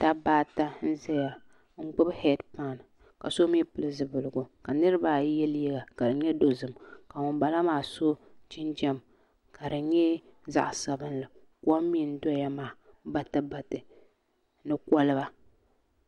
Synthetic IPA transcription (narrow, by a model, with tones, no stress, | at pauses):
ta˦baː˦ta˦n̩˦zɛ˦ja˨ | ŋ͡m̩˦ɡ͡bʊ˦bhɛ˦dpa˨n˨ | ka˨so˦mi˦pɨ˨lɨ˦zɨ˨bɨ˨lɨ˨ɡʊ˨ka˨nɨ˦ɾɨ˦ba˦jɛ˦ljɛ˦ɡa˨ka˨dɨ˨ɲɛ˦do˦zɨ˨mka˨wʊ˨mba˨la˦maː˨so˦t͡ʃɪ˦nd͡ʒɛ˦m | ka˨ɾɨ˨ɲɛ˦za̰˦ʔsa˨bɨ˦nlɨ˨ | ku˦ɔ˦mːi˦n̩˦dɔ˦ja˦maː˨˦ | ba˦tɨ˦ba˨tɨ˨ | nɨ˦kʷɔ˦lɨ˦ba˦